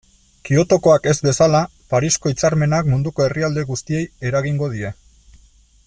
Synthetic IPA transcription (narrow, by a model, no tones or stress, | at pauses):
kio̞t̪o̞ko̞ake̞zbe̞sala | paɾisko̞it͡saɾme̞nakmund̪uko̞e̞riald̪e̞ɣust̪ie̞je̞ɾaɣiŋɡo̞ðie̞